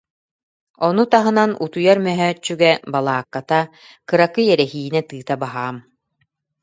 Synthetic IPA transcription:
ɔnut̪aɦɯ̆nanut̪ujaɾmœɦœːt͡ʃːyɡɛbalˠaːkːat̪a | kɯɾakɯjɛɾɛɦiːinɛt̪ɯːt̪abaɦaːm

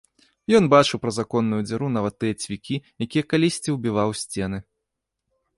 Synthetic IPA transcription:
jɔnbat͡ʂɨwpɾɐzakɔnːujud͡zʲaɾun̪avɐt̪ːɨjɐt͡sʲvʲikʲijakʲijɛkalʲisʲt͡sʲiwbʲivawsʲt͡sʲɛnɨ

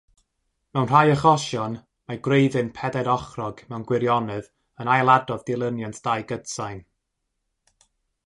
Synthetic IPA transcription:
mɛwnr̥ajəχɔʃjɔn | maɡrejðɨnpʰɛdɛdɔχrɔɡ̥mɛwnɡwɪɾjɔnɨð | ənajlˠadɔðdɪlˠənjantd̥ajɡəd̥sajn

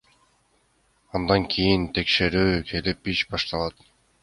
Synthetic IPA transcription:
ɑnd̪ɑŋkʰijint̪ʰe̞kʃe̞ɾyːkʰe̞lipiʃbɑʃt̪ɑlˠɑt̪

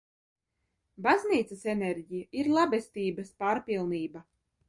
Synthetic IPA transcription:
bazniːt̪sɐsɛneɾɟijaʔiɾlˠabest̪iːbɐspaːɾpilˠniːba

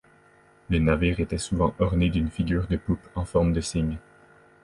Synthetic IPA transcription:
lenaviʁet̪ɛsuvɑ̃ʔɔʁned̪ynfiɡʲyːʁd̪əpupɑ̃fɔʁmd̪əsiɲ

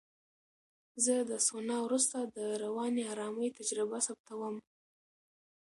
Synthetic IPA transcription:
zəd̪əsonɑwɾust̪ad̪əɾawɑneɑɾɑməjt̪ad͡ʒɾɪbasap̚t̪awəm

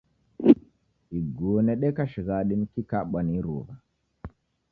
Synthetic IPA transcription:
iɡuɔnɛɗɛkaʃiɣaɗinikikaɓwaniɾṵβa

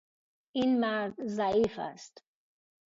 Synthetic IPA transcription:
inmæɾd̪zæiːfæ̰st̪

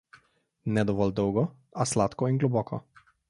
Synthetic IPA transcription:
nɛd̪oʋɔld̪̚owɡɔ | aslat̪koiŋɡlobɔkʰɔ

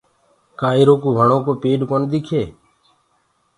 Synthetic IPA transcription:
kaːiɾoːkuːʋəɳoːkoːpeːɗkoːnd̪iːkʰeː

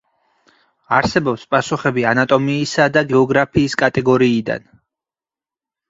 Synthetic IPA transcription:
aɾsɛbɔpspʼasuχɛbianat̪ʼɔmiːsad̪aɡɛɔɡɾapʰiːskʼat̪ʼɛɡɔɾiːd̪a̰n

